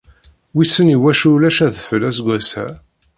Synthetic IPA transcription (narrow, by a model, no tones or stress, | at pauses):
wisːəniwæʃulæʃæðəfəlæsɡʷæsæ̰